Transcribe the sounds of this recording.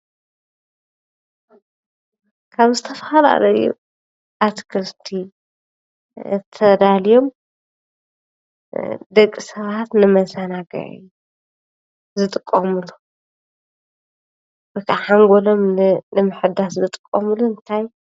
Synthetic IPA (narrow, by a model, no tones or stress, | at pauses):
kʰaβzɨt̪ʰɐfɐhala̰lɐjṵ | ʔat̪kʰɨɾt̪ʰi | t̪ʰɐd̪alijo̞m | d̪ɐkʼːisɐβat̪nɨmɐzanaɡɐ̰ʕɨ̰jːu | zɨt̪ʼɨkʼːomɨlu | bɨkʰaħaŋɡolo̞mnɨmɨħɨd̪aszɨt̪ʼɨkʼːomluɨnt̪ʰaj